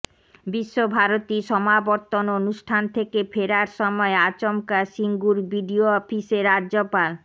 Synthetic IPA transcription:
biʃːobʱaɾot̪iʃɔmabɔɾt̪ononuʃʈʰant̪ʰekepʰeɾaɾʃɔmɔeat͡ɕomkaʃiŋɡuɾbiɖioɔfiseɾadʑopal

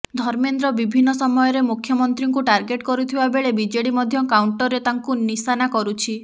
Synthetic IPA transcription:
d̪ʱɔɾmend̪ɾɔbibʱinːɔsɔmɔjɔɾemukʰjɔmɔnt̪ɾiŋkuʈaɾɡeʈkɔɾut̪ʰibabeɭebid͡ʒeɽimɔd̪ʱjɔkawɳʈɔɾet̪aŋkunisanakɔɾut͡ʃʰi

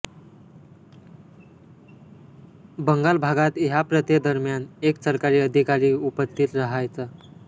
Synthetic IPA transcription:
bəŋɡalbʱaɡat̪japɾət̪jed̪əɾmjaneksəɾkaɾiːəd̪ʱikaɾiːupəst̪ʰit̪ɾəɦajt͡sa

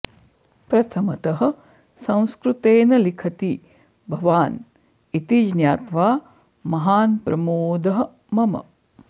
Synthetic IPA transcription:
pɾɐt̪ʰɐmɐt̪ɐɦɐ̆ | sɐ̃w̃skɾut̪eːnɐlikʰɐt̪i | bʱɐʋaːn | it̪id͡ʒnjaːt̪ʋaː | mɐɦaːnpɾɐmoːd̪ɐɦɐ̆ | mɐmɐ̰

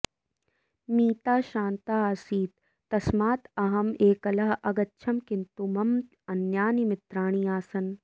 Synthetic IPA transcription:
miːt̪aːʃaːnt̪aːɐːsiːt̪̚ː | ɐsmaːt̪ɐɦɐmeːkɐlɐɦɐɡɐtːʃʰɐmkɪnt̪umɐm | ɐnjaːnimɪt̪ɾaːɳ̃iːaːsɐn

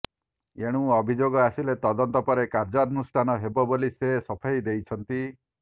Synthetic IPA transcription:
eɽ̃ũɔbʱid͡ʒoɡɔasilet̪ɔd̪ɔnt̪ɔpɔɾekaɾd͡ʒaɾɔnusʈʰanɔɦebɔbolisesɔpʰajd̪ejt͡ʃʰɔnt̪i

